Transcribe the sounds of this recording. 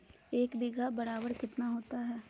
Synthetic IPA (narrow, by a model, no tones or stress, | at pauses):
eːkbɪɡʱabɐɾaːbəɾkɪt̪naɦoːt̪aɦɛː